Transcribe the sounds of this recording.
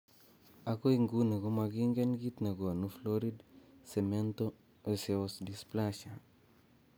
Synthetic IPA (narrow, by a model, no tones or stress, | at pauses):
akoiŋɡuneɡomaɡiŋɡenɡit̪nɐɡoanufloɾidsemento | eseosdisplaʃa